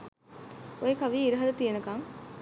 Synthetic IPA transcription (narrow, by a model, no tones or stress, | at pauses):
ojekɐʋiːɾuɦɐd̪ɐt̪ijenɐkɐŋ